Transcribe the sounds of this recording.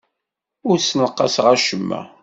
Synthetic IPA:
ʊɾsnəqːɑsʁæʃəmːæ̰

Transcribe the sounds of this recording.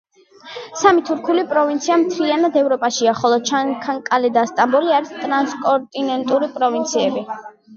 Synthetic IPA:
samit̪ʰuɾkʰulipʼɾɔvint̪sʰiamt̪ʰɾianad̪ɛvɾɔpʼaʃiaχɔlˠɔt͡ʃʰakʰaŋkʼalɛd̪ast̪ʼambɔliaɾist̪ʼɾanskʼɔɾt̪ʼinɛnt̪ʼuɾipʼɾɔvint̪sʰiɛbi

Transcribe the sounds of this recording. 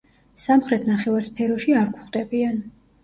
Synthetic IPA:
samχɾɛt̪ʰnaχɛvaɾspʰɛɾɔʃiaɾkʰʷuχd̪ɛbian

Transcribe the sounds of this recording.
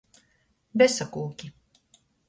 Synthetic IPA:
bɛsakulˠkʲi

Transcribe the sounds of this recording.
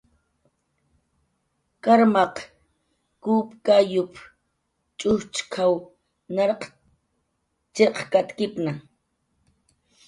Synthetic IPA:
kaɾmɑq | kuːpkajʊp | t͡ʃʼʊht͡ʃkʰaw | nɑɾq | t͡ʃeqkat̪kɪpna

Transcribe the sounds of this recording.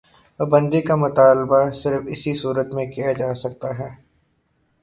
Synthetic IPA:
pɐbɐ̃nd̪ikamʊt̪aːlbasɪɾfɪsisuːɾət̪mẽkijad͡ʒaːsɐk̚t̪aɦɛː

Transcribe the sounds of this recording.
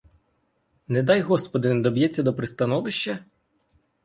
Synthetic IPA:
nɛd̪ɑjɦɔspɔd̪ɪnɛd̪ɔbjɛt͡sʲːɐd̪ɔpɾɪst̪ɐnɔʋɪʃt͡ʃːɐ

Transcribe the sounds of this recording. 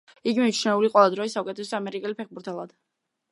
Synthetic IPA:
iɡimit͡ʃʰnɛuliqʼwɛlˠad̪ɾɔisaukʼɛt̪ʰɛs̬ɛamɛɾikʼɛlipʰɛχbuɾt̪ʰɛlˠad̪̥

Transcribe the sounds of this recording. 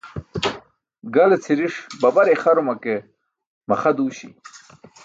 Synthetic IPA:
ɡalet͡sʰiɾiʂbɐbaɾeχaɾumake | mɐχad̪uːɕḭ

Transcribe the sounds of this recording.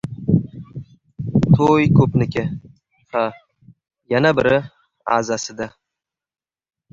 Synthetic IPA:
t̪ʰojkʰɵpnɪkʲɪ | ha | janabɪɾɪ | a̰zasɪd̪a

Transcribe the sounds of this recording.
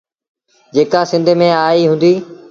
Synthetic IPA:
d͡ʑeːkasɪ̃nd̪ʱmẽaːiɦʊ̃nd̪iː

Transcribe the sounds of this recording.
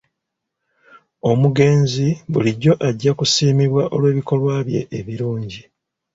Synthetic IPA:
o̞muɡe̞ːnziβuliɟːo̞ʔaɟːakusiːmiβwaʔo̞lwe̞ːβiko̞lwaːβje̞̰ʔːβiɾuːɲɟi

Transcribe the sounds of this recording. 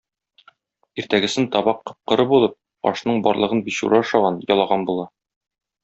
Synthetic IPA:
iɾt̪æɡɘ̆sɘnt̪ɒbɑqːɤ̆p̚qɤ̆ɾɤbulˠɤp̚ | ɒ̰ʃnɤɴbɒ̰ɾlˠɤ̆ʁɤnbiɕṵɾɑɒʃɑʁɑnjɒlˠɑʁɑnbulˠɑ

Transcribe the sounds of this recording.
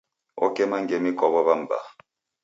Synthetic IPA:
ɔ̰kɛmaŋɡɛmikɔβɔβam̩ba̰

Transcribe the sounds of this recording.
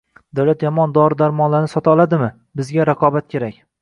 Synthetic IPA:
d̪awlat̪jɒmɒnd̪ɒɾɪd̪aɾmɒnlaɾnɪsɒt̪ʰaɒlˠad̪ɪmɪ | bɪzɡʲaɾaqʰɒbat̪̚kʲʰe̞ɾakʲ

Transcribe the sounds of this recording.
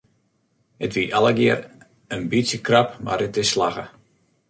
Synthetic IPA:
ətʋiʔalˠəɡɪəɾ | ənbitsjəkrapma̰rətɪslaɣə̰

